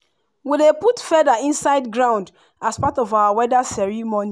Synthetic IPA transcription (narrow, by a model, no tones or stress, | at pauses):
wileputfɛðaĩnsaɪdɡɹãʊ̃nd | aspatɔvawawɛdasɛɹimoni